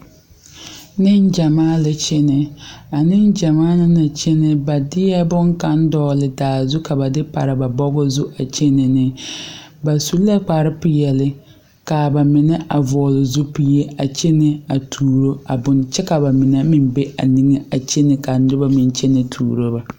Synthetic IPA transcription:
nɪ˦n˦d͡ʒa˨maː˦lɪ˦t͡ʃɛ˦nɪ˨a˨nɪ˦nd͡ʒa˨maː˦na˦na˨t͡ʃɛ˦nɪ˦ba˨dɪ˦jɛ˦bʊ˦ŋka˦n˦dɔː˦lɪ˨daː˨zʊ˦ka˨ba˨dɪ˦pa̰˨ɾɪ˨ba˨bɔ˦ɡɔ˦zʊ˦ʔa˨t͡ʃe˦nɪ˨nɪ˦ | ba˨su˦la˦k͡pa˨ɾɪ˦pʊ˨jɛ˨lɪ˦ | ka˨ba˨mɪ˨nɛ˦ʔa˨vɔ˨lɪ˨zʊ˦pi˦je˦a˨t͡ʃe˦nɪ˦a˨tʰuː˨ɾo˦a˨bʊ˨nt͡ʃɛ˦ka˨ba˨mɪ˨nɛ˦mɪ˨mbe˦a̰˨ni˦ŋe˦a˨t͡ʃe˦nɪ˦ka˨nʊ˦ba˦mɪ˨nt͡ʃɛ˦nɪ˨tʰṵː˨ɾo˦ba˨

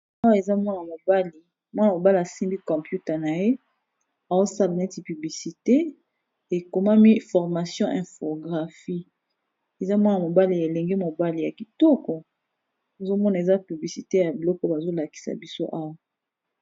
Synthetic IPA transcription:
a˦wa˦e˨za˦mɔ˦na˨mo˨ba˦li˨ | mɔ˦na˨mo˨ba˦li˨a˨sĩ˦mbi˦kɔ̃˨pju˦tɛ˨na˨je˦ | a˨zo˦sa˦la˨nɛ˦ti˨py˨bli˨si˨te˦ | e˨ko˨ma˦mi˦fɔ˨ʁma˨sjɔ̃˦ʔɛ̃˨fo˨ɡʁa˨fi˦ | e˨za˦mɔ˦na˨mo˨ba˦li˨ja˨e˨lɛ˨ŋɡe˦mo˨ba˦li˨ja˨ki˨tɔ˦kɔ˨ | e˨zo˦mɔ˦na˨e˨za˦py˨bli˨si˨te˦ja˨bi˨lɔ˦kɔ˦ba˨zo˦la˨ki̥˨sa̰˨bi˦so˦ʔa˦wa˦˨

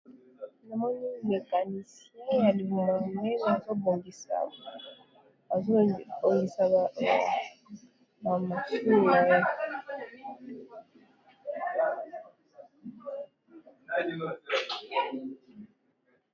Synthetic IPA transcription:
na˨mɔ˦ni˦me˨ka˨ni˨se˦ja˨li˨mɛ˨me˦na˨zo˦bo˨ŋɡi˨sa̰˨ | a˨zbo˨ŋɡi˨sa˨ | ba˨ma˨su˦˨ja˨ja˦

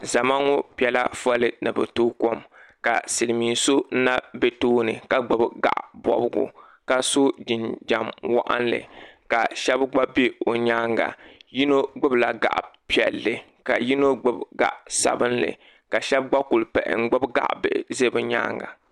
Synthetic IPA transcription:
za˨ma˦ŋo˦pi˨ɛ˨la˦fa˦lɨ˦nɨ˨bɛ˨tuː˦ko˦m | ka˨sɨ˨lmiː˨nso˦n̩˦na˦be˦toː˦nɨ˨ka˨ɡ͡bɨ˦bɡa̰˨ʔbɔ̰˨bɡṵ˨ | ka˨so˦d͡ʒɪ˨nd͡ʒa˨mwa̰˦ʔa̰˦n˦lɨ̰˨ka˨ʃɛ˦bɡ͡ba˦bi˦o˨ɲaː˦ŋɡa̰˨ji˦no˦ɡ͡bɨ˦bla˨ɡa̰˨ʔpi˦ɛ˨lːɨ˨ | ka˨ji˦no˦ɡ͡bɨ˦bɡa̰˨ʔsa̰˨bɨ˦nlɨ̰˨ | ka˨ʃɛ˦b̚ɡ͡ba˦ku˨lpɛ˨ʔɪ̰˨ŋ͡m̩˦ɡ͡bɨ˦bɡa̰˨ʔbɨ̰˨ʔze˦bɛ˦ɲa̰ː˦ŋɡa̰˨

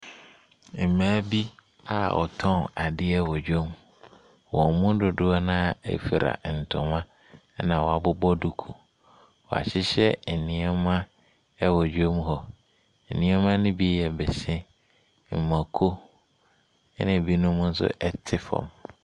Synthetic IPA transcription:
m̩˨mãː˦bi˦ | a̰˨ʔɔ̰˨tʰɔ̃˦na˨dɪ˦ɛ˦wɔ˨d͡ʑᶣo˦m | wɔ̃˨mʊ̃˦dʊ˨dʊ˦a˦nã˦ḛ˦fi˨ɾa̰˨n̩˨tʰʊ̰̃˨mã˦ | nã˨wɔ˨a˨bʊ˦bɔ˦du˨kʰu˨ | wɔ˨a̰˨ɕɪ˦ɕɛ˦n̩˨nɪ̃˨ɛ˦mã˦ | ɛ˦wɔ˨d͡ʑᶣo˦m˦ɦɔ˨ | n̩˨nɪ̃˨˦ɛ˦mã˦nʊ̃˦bi˦jɛ˨bɛ˨sɛ̃˦ | m̩˨mã˨kʰo˦ | nɪ̃˨bi˦nʊ̃˦mʊ̃˦n̩˦sʊ̰˦ʔɛ˦tʰɪ˦fɔ̰̃˨m

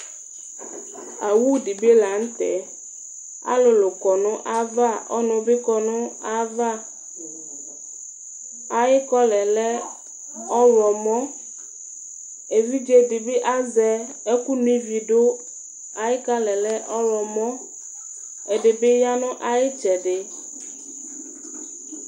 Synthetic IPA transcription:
a˨wu˦di˨be˦la˨ŋ̩˦t̪ɛ̰˨ | a̰˦lo˨lo˨kɔ˨nʊ̃˦ʔa˦va˦˨ɔ̰˦nʊ̃˨be˦kɔ˨nʊ̃˦a˦va˦ | a˨jɪ˦kɔ˦lɛ˨lɛ˦ | ɔ˦wɔ˨mɔ̃˦ | e˨vi˦d͡ʒe˦dɪ˨bɪ˦ʔa˦zɛ˨ | e˦ku˦nũ˦ĩ˦vi˨ɖo˦ | a˨jɪ˦ka˦lɛ˨lɛ˦ʔɔ˦wɔ˨mɔ̃˦ | e˨ɖɪ˨bɪ˦ja˦nʊ̃˦ʔa˨jɪ˦t͡ʃɛ˨ɖɪ˨

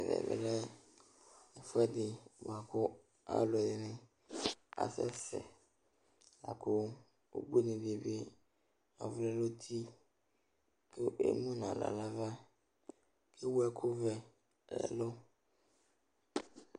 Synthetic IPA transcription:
ɛ˨vɛ̰˨bɛ̰˨lɛ˦ | ɛ˨fʊ˦ɛ˦dɪ˨ba˨kʰʊ˦ | a̰˦lʊ˨dɪ˨nɪ̃˦ | a̰˨sɛ̰˦sɛ̰˨ | la˨kʰʊ˦ | o̰˦be˦nɪ̃˨di˨e˨be˦ | a˨vʊ˦lɛ˦lo˦tʰi˦ | kʰɛ˦ḛ˦mũ˦nã˨la̰˨la˨va˦ | kʰɛ˦wu˦ɛ˨kʰʊ˦vɛ˨ | lɛ̰˨lʊ˦

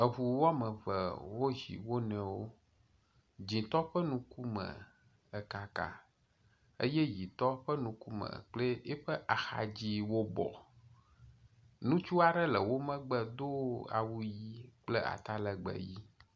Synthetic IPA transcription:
ə˨ɦu˨wa˦mə̃˨və̰˨wo˦ɦḭ˨wo˦nɛ̃˨wo˦ | d͡ʑĩ˨t̪ɔ˦ɸə˦nũ˦ku˦mə̰̃˨ | ə˨ka˨ka̰˨ | ə̰˦jɛ˦ji˨t̪ɔ˦ɸə˦nũ˨ku˦mə̰̃˨k͡ple˦ɛ˦ɸə˦ʔa˨xa̰˨d͡ʑi˦wo˦bɔ̰˨ | nũ˦t͡ʃu˦a˨ɖɛ˦lə˨wo˦mə̃˦ɡ͡bə˨d̪o˦a̰˨wu˦ji˦k͡ple˦ʔa̰˨t̪a˦lə˨ɡ͡bə̰˨ji˦

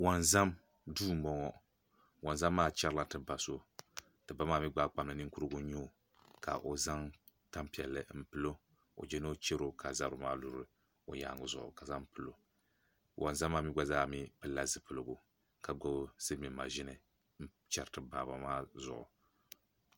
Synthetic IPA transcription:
wa˨nza˦m | duː˦˨m̩˦bɔ˦ŋɔ˦ | wa˨nza˦mːaː˦t͡ʃɛ˦ɾɨ˦la˦tɨ˨ba˨so˦ | tɨ˨ba˦maː˦mi˦ɡ͡ba˦k͡pa˨mlɨ˨nɨ˦ŋku˦ɾɨ˦ɡʊ˦ɲo˦˨ | ka̰˨ʔo˨za˦ŋ | ta˦mpi˨ɛ˨lːɨ̰˨m̩˦pɨ˨lo˦ | o̰˨d͡ʒɛ˦no˦t͡ʃe˦ɾo˦kʰa˨za˦ɾʊ˨˦maː˦lu˨ɾɨ˨ | o˨ja̰ː˨ŋʊ˨zʊ̰˨ʔʊ̰˨ka˨za˦m˦pɨ˨lo˨ | wʔa̰˨nza˦mːaː˦˨mi˦ɡ͡ba˦zaː˦˨mi˦pɨ˦lːa˦zɨ˨˦pɨ˨lɨ˨ɡʊ˨ | ka˨ɡo˦bsɨ˦mi˨ma̰˨ʒɪ˦nɨ˨ | m̩˦ | t͡ʃɛ˨ɾtɨ˨baː˨ba˨maː˦zʊ̰˨ʔʊ̰˨

